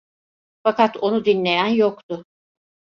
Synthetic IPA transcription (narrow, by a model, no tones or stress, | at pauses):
fakat̪ʰo̞nud̪inlʲe̞jænjokt̪ʊ